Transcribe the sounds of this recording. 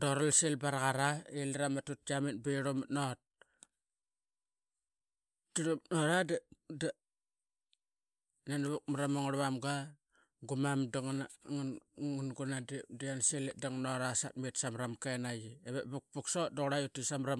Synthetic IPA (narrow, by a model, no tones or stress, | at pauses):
doɾalselbaɾaɣaɾaelɾamatut̚aminbiɾumnot̚ | tiɾunoɾadada | nanaβuk̚maɾamoŋɾβamɡa | ɡumamdaŋnŋnŋunɡunadidianselediŋnoɾasa̰t̚mitsamɾamkenajieβḛʔbuk̚puksodoɣɾajutisamɾam